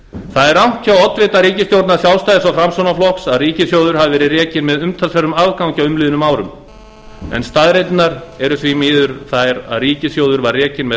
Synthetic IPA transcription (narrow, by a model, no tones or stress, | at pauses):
θaðɛɾawt̪ʰawɔt̪vɪːt̪aɾiːcɪst̪jowɾt̪naɾ̥sjawlst̪ajðɪsawfɾamsownaflɔksaðriːcɪsjoːwðʏɾ̥havɪvɛːɾɪrɛːcɪnmɛðʏmt̪ʰalsvɛɾʏmavkawɲcaʏmlɪːðʏnʏmaːwɾʏm | ɛ̰nst̪aðɾejt̪naɾɛɾʏθvimɪːðʏɾθajɾa̰ðriːcɪsjowðʏɾvaɾrːɛːcɪnmɛ